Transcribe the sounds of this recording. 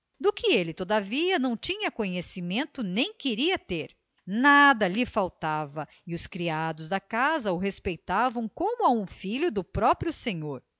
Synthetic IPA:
d̪ʊkɪelɪt̪od̪ɐviɐnɐ̃w̃t͡ʃĩɲɐkõɲesimẽnt̪ʊnẽj̃kɪɾiɐt̪eɾ | nad̪ɐlɪfawt̪avɐ | ɪʊskɾiad̪ʊzd̪ɐkazɐʊɦespejt̪avɐ̃w̃kõmʊaũfiʎʊd̪ʊpɾɔpɾjʊsẽɲoɾ

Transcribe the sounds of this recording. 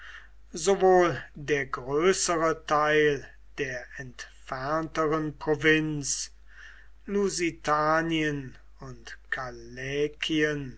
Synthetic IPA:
zovoːldeːɐɡʁøːsəʁətʰaɪl | d̥eːɐʔɛntfɛɐntəʁənpʁ̥ovɪns | luzitaːniən | ʊntkʰalɛːkʰiən

